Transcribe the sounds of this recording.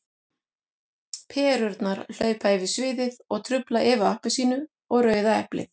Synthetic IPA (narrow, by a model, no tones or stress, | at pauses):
pʰɛːɾʏɾt̪naɾ̥l̥œːɥpaɛvɪsvɪːðɪðɔɣt̪ʰɾʏplaʔɛːvaahpɪsiːnʏ | ɔɣɾœːɥðaɛ̰hplɪ̰θ